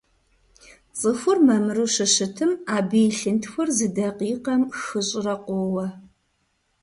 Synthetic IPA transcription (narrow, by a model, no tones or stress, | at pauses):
t͡sʼɨxʷʊrmɐmɨruʃɨʃɨtʰɨmaːbijɬɨntʰxʷʊrzɨdɐqiːqɐmxɨɕʼɪrɐqʷowɐ